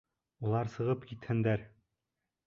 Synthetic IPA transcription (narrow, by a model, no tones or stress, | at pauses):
ulˠɑɾsɤ̆ʁɤpkit̪hɘ̆nd̪æɾ